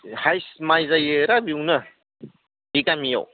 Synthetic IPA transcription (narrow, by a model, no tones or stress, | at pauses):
hajsmajzajɯɾabiunɐ | dikamija̰w